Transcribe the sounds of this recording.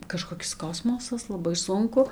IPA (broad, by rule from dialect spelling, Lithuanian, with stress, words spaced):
kɐʃkoːˈkʲɪs ˈkoːsmoːsɐs lˠɐˈbɐɪ ˈsʊŋkʊ